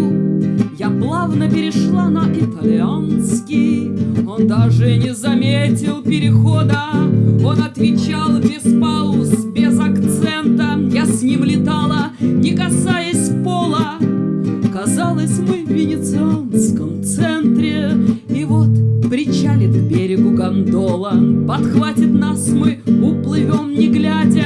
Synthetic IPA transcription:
japlˠavnəpʲɪɾʲɪʂlˠanəʔɪt̪ɐlʲɪanskʲɪjond̪aʐɨnʲɪzɐmʲetʲɪlˠpʲɪɾʲɪxod̪əo̞nɐt̪vʲɪt͡ɕalˠbʲɪspɐusbʲɪzɐkt̪sɛnt̪əjasʲnʲimlʲɪt̪alˠənʲɪkɐsajəsʲpolˠə | kɐzalˠəsʲmɨvʲɪnʲɪt̪sɨanskəmt̪sɛnt̪ɾʲɪ | ivot̪pɾʲɪt͡ɕalʲɪt̪vbʲeɾʲɪɡʊɡɐmd̪olˠəpɐt̪xvatʲɪt̪nasmɨʊplˠɨvʲo̞mnʲɪɡlʲædʲə

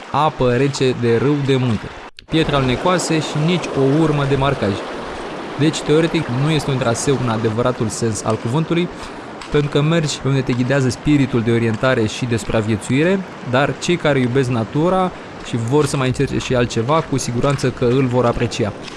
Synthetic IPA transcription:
apəɾe̞t͡ʃe̞d̪e̞ɾəwd̪e̞munt̪e̞̰ | pje̞t̪ɾealune̞koaseʃinit͡ʃʲo̞urməd̪e̞markaʒʲ | d̪e̞t͡ʃʲt̪e̞o̞ɾe̞t̪iknuje̞st̪eunt̪ɾase̞wɨnad̪e̞vəɾʔat̪ulse̞nsa̰lkuvɨnt̪uluj | pent̪ɾukəme̞rd͡ʒʲund̪e̞t̪e̞ɡʲid̪eazəspiɾit̪uld̪e̞o̞ɾie̞nt̪aɾe̞ʃid̪e̞su̥pɾavije̞t̪suiɾe̞ | d̪art͡ʃe̞jkaɾe̞jube̞s̬knat̪uɾa | ʃivo̞rsəmajɨnt͡ʃe̞rt͡ʃe̞ʃialt̪̚t͡ʃe̞vakusiɡuɾʔant̪səkəɨlvo̞ɾapɾe̞t͡ʃia

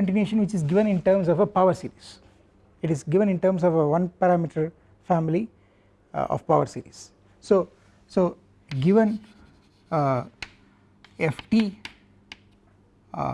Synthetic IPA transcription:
kə̃ɳʈineːʃə̃nʋɪt͡ʃizɡɪʋə̃nɪ̃ɳʈəɾmsɔfəpaʊəɾsiːɾis | ɪʈizɡɪʋə̃nɪ̃ɳʈəɾms̬ɔʋəʋʌ̃npɛɾaːmiʈʰəɾ | fæ̃ːmili | ɔ̰ʋpaʊʋəɾsḭːɾḭs | soː | soː | ɡɪʋə̃n | efʈi

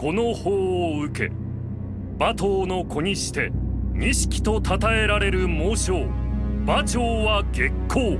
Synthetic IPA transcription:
ko̞nohoːɯ̟ke̞̰ | bat̪oːno̞kʰo̞ɲ̟iɕi̥t̪e̞ɲiɕi̥kʲi̥t̪o̞t̪at̪ae̞ɾaɾe̞ɾɯ̟moːɕo̞ːbat͡ɕoːβaɡe̞kʰːoː

